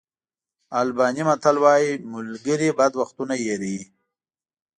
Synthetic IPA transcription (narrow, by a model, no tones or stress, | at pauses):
albɑːnimat̪alwɑːjimʊlɡəɾibad̪waxt̪unajeɾii